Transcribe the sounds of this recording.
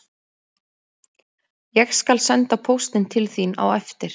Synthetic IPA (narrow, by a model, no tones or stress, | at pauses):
jɛɣskalsɛnt̪apʰowst̪ɪnt̪ʰɪlθina̰wɛft̪ɪɾ̥